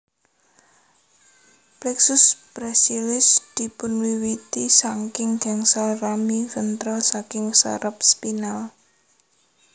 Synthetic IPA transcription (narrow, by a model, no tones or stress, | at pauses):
plɛksʊspɾɛsilɪsd̪̥i̤pʊnwiwit̪isaŋkɪŋɡ̥aŋsalramifənt̪ɾɔsakɪŋsa̰ɾʔəp̚spinal